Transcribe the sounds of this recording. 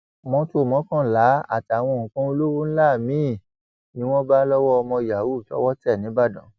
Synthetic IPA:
mɔ̃˧˦to˧˦˨mɔ̃˨˦kã˦˨la˨˦a̰˦˨ti˨a˨w̃ɔ̃˧o˨ũ˨kã˦o˧lo˦wu˦ñ̩˦la˦˨mĩ˨˦˨ | nĩ˦w̃ɔ̃˦ba˦lɔ˦wɔ˦ɔ˧mɔ̃˧˨ja˨wu˦˨tɔ̰˦wɔ˦tɛ˦˨nĩ˨˦ba˦˨dɔ̃˨˦

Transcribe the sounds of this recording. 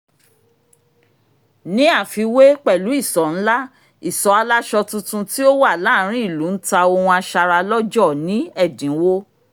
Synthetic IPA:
nĩ˦a˦˨fi˧we˦k͡pɛ˦˨lu˨˦i˦˨sɔ˨n̩˦la˦ | i˦˨sɔ˨˦a˧la˦ʃɔ˧tũ˧tũ˧ti˦o˦wa˦˨la˦˨˦ɾ̃ĩ˦i˦˨lu˨˦n̩˦ta˧o˧hũ˧a˧ʃa˧ɾa˧lɔ˦d͡ʒɔ˦˨nĩ˨˦ɛ˦˨dĩ˨˦wo˦

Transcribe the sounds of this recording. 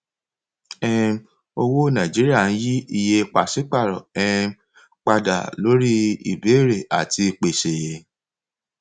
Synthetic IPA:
ɛ˦˧m | o˧wo˦nã˨d͡ʒi˨˦ɾi˦a˦˨ñ̩˦ji˦i˧je˧k͡pa˨si˨˦k͡pa˦˨ɾɔ̰˨ɛ˦˧ | k͡pa˧da̰˨lo˨˦ɾi˦ḭ˨be˨˦˨ɾe˨a˨ti˧k͡pe˨ʃe˨

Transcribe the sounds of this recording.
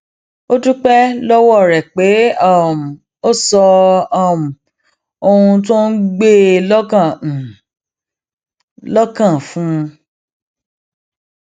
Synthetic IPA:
o˦tu˦k͡pɛ˦lɔ˦wɔ˦˨ɾɛ˨k͡pe˨˦ɔ˦˨m˨ | o˦sɔ˧ɔ˦˨m̩˨ | o˧ũ˧tõ˦n̩˦ɡ͡be˦lɔ˦kã˦˨ | lɔ˦kã˦˨fũ˦˧

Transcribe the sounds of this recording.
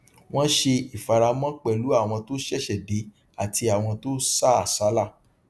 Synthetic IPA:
w̃ɔ̃˦ʃe˧i˨fa˨ɾa˧mɔ̃˦k͡pɛ˦˨lu˨˦a˦˨w̃ɔ̃˧to˦ʃɛ˦˨ʃɛ˨de˨˦ | a˦˨ti˧a˨w̃ɔ̃˧to˦sa˦a˨sa˨˦la˦˨

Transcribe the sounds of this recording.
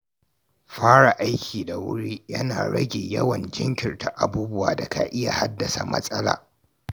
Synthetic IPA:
ɸaː˦ɽa˨ʔa˦jkʲʰiː˨da˨wʊ̰˦ɽiː˦jɐ˦na̰ː˨ɽɐ˦ɡʲeː˨jɐ˦wɐ˨nd͡ʒɪ˦ŋkʲɪ˨rta˦ʔa˨buː˦bʊ˦waː˨da˨kʰa̰˨ʔɪ˦ja˨ha˦dːɐ˨sa˨mɐ̰˦sʼɐ˦la̰ː˨

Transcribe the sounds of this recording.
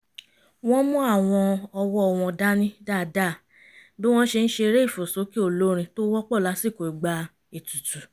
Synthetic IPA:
w̃ɔ̃˦mɔ̃˦a˦˨w̃ɔ̃˧ɔ˧wɔ˦ɔ˧˨w̃ɔ̃˧da˦nĩ˦da˦˨da˦˨ | bi˦w̃ɔ̃˦ʃe˧n̩˦ʃe˧ɾe˦i˦˨fo˨so˨˦ki˦o˦˨lo˦ɾ̃ĩ˧to˦wɔ˦k͡pɔ˦˨la˨˦si˦˨ko˨i˨ɡ͡ba˧ | e˨tu˨tu˨

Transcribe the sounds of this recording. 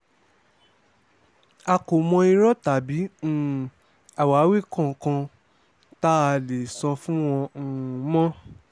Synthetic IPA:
a˧ko˨mɔ̃˧i˧ɾɔ˦ta˨˦bĩ˨˦˨ | a˨wa˨˦we˦˨kɔ̃˦˨kã˧ | ta˦a˧le˨sɔ˧fũ˦w̃ɔ̃˧˨˦mɔ̃˦

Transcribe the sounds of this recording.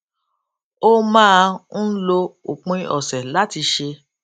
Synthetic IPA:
o˦mãː˦˧n̩˦lo˧o˨k͡pɔ̃˧i˧˦ʔɔ˨sɛ˨la˦ti˧ʃe˧

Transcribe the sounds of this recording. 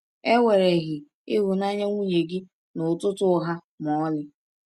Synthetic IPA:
e˦wʷe˨ɾe˨ɣɪ˨ | ɪ̰˦ɦʊ˨na˦ɲa˦ŋʷu˦ɲe˨ɡɪ˦ | nʊ˨tʊ˦tʊ˦ɦa˦ | mɔ˨˦lɪ˦

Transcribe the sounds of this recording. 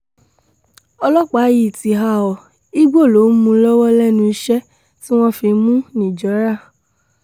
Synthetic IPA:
ɔ˧lɔ˦k͡pa˨˦ji˨ti˨ɦa˧ɔ˨ | i˦ɡ͡bo˦˨lo˨˦mũ˧lɔ˦wɔ˦lɛ˦˨nũ˧i˧ʃɛ˦ | ti˦w̃ɔ̃˦fi˧mũ˦nĩ˨d͡ʒɔ˨˦ɾa˦˨

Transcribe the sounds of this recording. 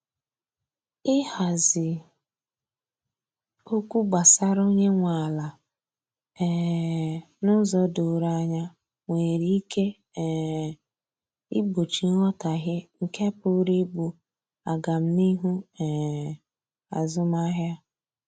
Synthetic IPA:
ɪ˦ha˨zɪ˨ | o˦kʷu˦ɡ͡ba˨sa˦ɾo˦ɲe˦ŋʷa˨la˨ | ɛ˨ | nʊ˦zɔ˦dʊ˨ɾa˦˨ɲa˦ | ŋʷe˨ɾi˦ke˦˨ | i˦bo˨t͡ʃi˨˦ŋɔ˦ta˨ɣɪ˦ŋ̩˨ke˦pʊ˦ɾi˦ɡ͡bu˦ | a˨ɡa˨m̩˦ni˦ɦu˦ɛ˨ | a˨zʊ˦ma˦ɦja˦

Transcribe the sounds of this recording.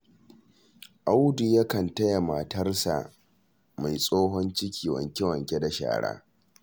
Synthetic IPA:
ʔa˦wdu˨jɐ˦kɐ˨ntɐ˦ja˨ma˨tɐ˦rsa̰˨ | ma˨jsʼoː˦ɦɔ˦nt͡ʃɪ˦kʲʰiː˨wɐ̰˨ŋkʲe˦wɐ˨ŋkʲe˦da˨ʃa̰ː˨ɽa̰ː˦

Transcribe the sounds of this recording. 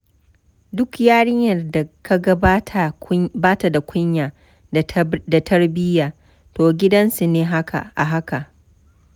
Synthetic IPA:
dʊ˦kjaː˦ɽɪ˦ɲjɐ˨rda˨ka˦ɡɐ˦tʰa˨baː˦ta˨da˨kʷʊ˦ɲjaː˨ | da˨tʰɐ˦rbɪ˦jaː˨ | toː˨ɡʲɪ˦dɐ˦nsu˨neː˦ɦa˦ka̰˨ʔa̰˨ɦa˦ka˨ʔ

